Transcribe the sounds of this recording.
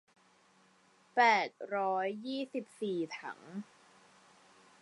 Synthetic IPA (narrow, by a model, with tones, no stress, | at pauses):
pɛː˨˩t̪̚ɾɔː˦˥jːiː˥˩si˨˩p̚siː˨˩t̪ʰa̰˧˩˦ŋ